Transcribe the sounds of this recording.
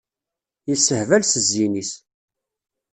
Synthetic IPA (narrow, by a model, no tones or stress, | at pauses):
jəsːəhvælsəzːinis